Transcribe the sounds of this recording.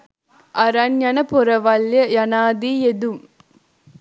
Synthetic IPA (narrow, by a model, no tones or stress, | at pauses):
ʔɐɾɐnjɐnɐpɔɾɐʋɐljɐjɐnaːd̪iːjed̪um